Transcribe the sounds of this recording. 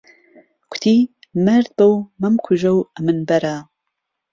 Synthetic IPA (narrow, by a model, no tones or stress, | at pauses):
kʷʰt̪ʰiː | mɐɾd̪̚bɐwmɐmkʷʰʊʒɐwɐmɨnbɐɾaː